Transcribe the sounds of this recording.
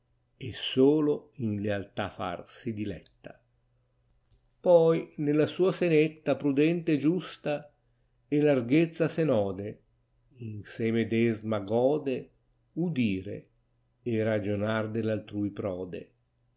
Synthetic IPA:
esoːloinlealt̪afa̰rsid̪ilɛt̪ːa | pɔjnelasuːasenet̪ːapɾud̪ɛnt̪ed͡ʒust̪a | ɛlarɡet̪sːasenɔːd̪e | insɛːmed̪ɛzmaɡɔːd̪e | ud̪iːɾḛː | rad͡ʒonard̪elalt̪ɾuːjpɾɔːd̪ḛ

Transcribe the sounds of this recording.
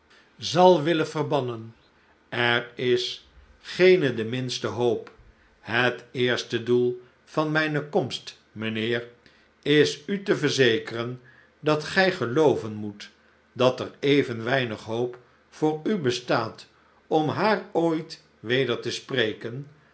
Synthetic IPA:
zɑlˠʋɪləvərbɑnən | ɛrɪs | χejnədəmɪnstəɦowp | ɦətɪːɹstədulˠ | v̥ɑnmɛjnəkɔmst | mənɪːɹ | ɪsytəvəɹzejkərən | dɑtχɛjχəlowvənmut | dɑtərejvənʋɛjnəχɦowp | fʊːɹybəstaːt | ɔmɦaːrojt | ʋejdəɹtəsprejkən

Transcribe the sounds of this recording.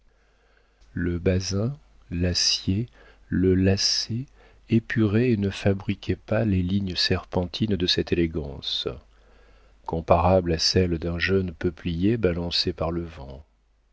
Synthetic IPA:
ləbazɛ̃ | lasje | ləlase | epʰyʁɛːnəfabʁikʲʰɛpaleliɲsɛʁpɑ̃t̪ʰind̪əsɛt̪eleɡɑ̃s | kɔ̃paʁablasɛld̪ɛ̃ʒœnpəplijebalɑ̃sepaʁləvɑ̃

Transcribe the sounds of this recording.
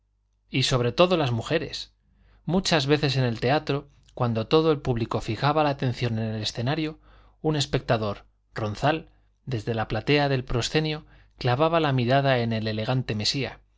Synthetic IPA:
iso̞β̞ɾe̞t̪o̞ðo̞lazmuxe̞ɾe̞̰s | mut͡ʃazβe̞θe̞s̬e̞ne̞lt̪eat̪ɾo̞ | kwand̪o̞t̪o̞ðo̞e̞lpuβliko̞fixaβalaːt̪e̞n̟θjo̞ne̞nele̞sθe̞naɾjo̞ | une̞spe̞k̚t̪aðo̞ɾ | ro̞nθal | d̪e̞zðe̞laplat̪e̞aðe̞lpɾo̞sθe̞njo | klaβaβalamiɾað̞ae̞ne̞le̞le̞ɣ̞ant̪e̞me̞sia̰

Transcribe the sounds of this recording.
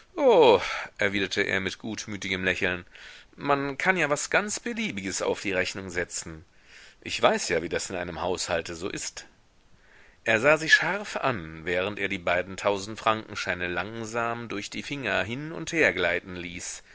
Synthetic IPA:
ʔoːʔɛɐviːdɐtʰəʔḛːɐmɪtɡ̥uːtmyːtɪɡəmlɛçl̩nmankʰanjaːvasɡ̥ant͡sb̥əliːbɪɡəsa̰ʊfd̥iːʁɛçnʊŋzɛt͡sn̩ | ʔɪçv̥aɪsjaːviːdasɪnʔa̰ɪnəmhaʊshaltəzo̰ːʔɪst | ʔeːɐzaːzɪʃaɐfʔa̰nvɛːʁ̞əntʔeːɐdiːbaɪdn̩tʰaʊzn̩tfʁ̥aŋkŋ̩ʃaɪnəlaŋzaːmdʊɐçd̥iːfɪŋɐɦɪnʊ̰ntheːɐɡlaɪtn̩liːs

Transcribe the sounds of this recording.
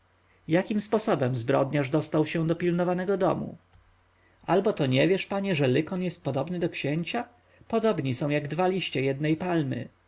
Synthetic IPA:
jakʲimspɔsɔbɛmzbɾɔ̰d̪ɲaʐd̪ɔst̪awɕɛ̃d̪ɔpʲilnɔvanɛɡɔd̪ɔ̰mṵ | albɔt̪ɔɲɛvʲjɛʂpaɲɛʐɛlɘkɔnjɛst̪̚pɔd̪ɔbnɘd̪ɔkɕeɲt͡ɕa | pɔd̪ɔbɲisɔ̃w̃jaɡd̪valʲiɕt͡ɕɛjɛd̪nɛjpalmɘ̰

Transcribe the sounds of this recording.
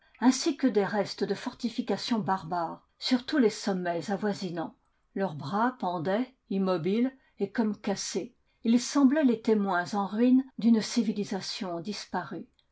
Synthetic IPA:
ɛ̃sikəd̪eʁɛst̪əd̪əfɔʁt̪ifikasjɔ̃baʁbaːʁ | syʁt̪ulesɔmːɛzavwazinɑ̃ | lœʁbʁapɑ̃d̪ɛ | imɔbil | ekɔmkase | ilsɑ̃blɛlet̪emwɛ̃zɑ̃ʁɥind̪ynsivilizasjɔ̃d̪ispaʁy

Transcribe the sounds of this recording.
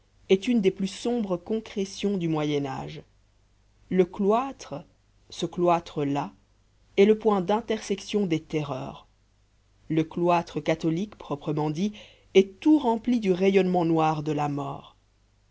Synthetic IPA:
ɛt̪ynd̪eplysɔ̃bʁəkɔ̃kχesjɔ̃d̪ymwajɛna̰ːʒ | ləklwat̪χ | səklwat̪χəla | ɛləpwɛ̃d̪ɛ̃t̪ɛʁsɛksjɔ̃d̪et̪eʁœ̰ːʁ | ləklwat̪χəkat̪ɔlikpχɔpχəmɑ̃d̪i | ɛt̪uʁɑ̃plid̪yʁejɔnmɑ̃nwaʁd̪əlamɔ̰ːʁ

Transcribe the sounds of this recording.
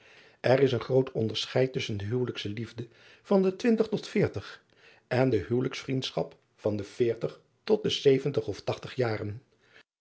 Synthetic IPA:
ʔɛrɪsənχrowtɔndəɹsχɛjtʏsəndəɦywləksəlivdə | v̥ɑndətʋɪntəχtɔtfɪːɹtəχ | ʔɛndəɦyːwləksfrintsχɑp | fɑndəv̥ɪːɹtəχ | tɔt̚dəsejvəntəχɔftɑχtəχjaːrən

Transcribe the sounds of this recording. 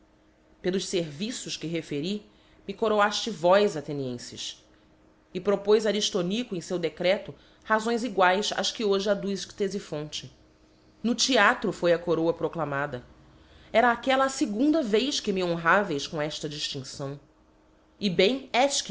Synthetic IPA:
pelˠʊʃseɾvisʊʃkɪɦefeɾi | mɪkoɾoaʃt͡ʃɪvɔjzat̪eniẽsɪʃ | ɪpɾopojzaɾiʃt̪onikʊẽj̃sewd̪ekɾɛt̪ʊ | hazõj̃ziɡwajsa̰ʃkɪoʒɪad̪ust̪ezifõnt͡ʃɪ | nʊt͡ʃiat̪ɾʊfojɐkoɾowɐpɾoklamad̪ɐ | ɛɾɐːkɛlɐːsɪɡũnd̪ɐvejʃkɪmiõɦavejʃkõɛʃt̪ɐd͡ʒiʃt͡ʃĩŋsɐ̃w̃ | ɪbẽj̃ɛʃk

